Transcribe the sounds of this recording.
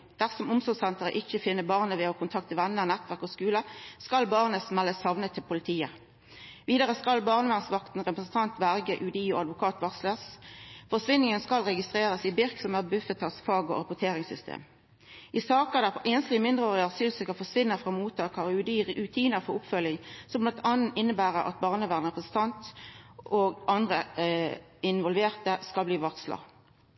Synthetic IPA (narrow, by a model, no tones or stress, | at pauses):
d̪̥æʁsɔmʊmsɔʁsɛnt̪əʁə̰ʔɪçəfɪnːəbɑʁnəʋɛokʰʊnt̪ʰɑk̚t̪ʰɪʋænːəʁnæt̪ʋæʁkoskʉːləskɑlbɑʁnəsmɛlːəshɑʋnət̪ʰːɪlpʰʊlɪt̪ʰiːə | ʋiːd̪əʁəskɑlbɑʁnəʋɛnsʋɑkt̪n̩ʁɛpʁəsn̩t̪ʰɑnt̪bæʁɡəʔʉd̪iːo̰ɑd̪ʋʊkʰɑːt̪ʋɑʁsləsfɔsʋɪnːɪŋənskɑlʁɛɡɪst̪ʁeːʁəsɪbɪʁksɔmæːʁbʉfət̪ʰɑsfɑːɡo̰ʁɑpʊt̪ʰeːʁɪŋsʏst̪ʰḛːm | ʔɪsɑːkəd̪æfɔʔenəslɪmɪnd̪ʁəoːʁɪɑsyːlsəkɑfɔsʋɪnːəfʁɑːmuːt̪ʰɑːkʰɑʁʉd̪iʉt̪ʰiːnəʁfɔʁʊpfœlːɪŋsɔmblɑnt̪ʰɑnn̩ɪnːəbæːʁəʔɑ̰t̪̚bɑːʁnəʋæːʁnʁɛpʁəsn̩t̪ʰɑnt̪ʔoːɡʔɑnd̪ʁə | ɪnʋɔlʋeːʁt̪əskɑlbliːʋɑʁkslɑ̰